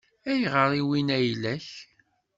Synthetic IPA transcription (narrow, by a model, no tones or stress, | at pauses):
æjʁəɾˤiwinæjlæç